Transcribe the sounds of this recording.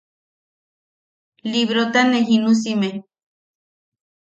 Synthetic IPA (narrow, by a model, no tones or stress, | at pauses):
liβɾot̪aneɦinus̬ime